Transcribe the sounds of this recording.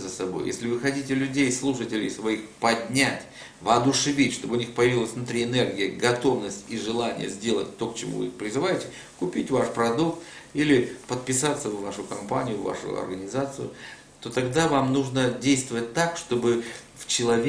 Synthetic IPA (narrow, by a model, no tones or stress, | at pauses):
zəsɐbojjesʲlʲɪvɨxɐtʲitʲɪlʲʉdʲejslˠuʂətʲɪlʲɪ̰jsvɐixpɐdʲnʲatʲ | vɐːd̪ʊʂɨvʲitʲʂt̪o̞bɨʊnʲixpəjɪvʲilˠəsʲvnʊt̪ɾʲiɪnerɡʲɪjəɡɐt̪o̞vnəsʲtʲiʐɨlˠanʲɪ̰jə̰zʲdʲe̞lˠə̰t̚ʲt̪o̞kt͡ɕɪmṵvɨ̰ixpɾʲɪzɨvajɪtʲɪ | kʊpʲitʲvaʂpɾɐd̪ukt̪ | ilʲɪpət̪̚pʲɪsat̪səvvaʂʊkɐmpanʲɪjʊvːa̰ʂʊ̰ɐ̰rɡənʲɪzat̪sɨjʊ̰ | t̪o̞t̪ɐɡd̪avamnuʐnədʲejst̪vəvət̚ʲt̪akʂt̪o̞bɨ | ft͡ɕɪlˠɐvʲ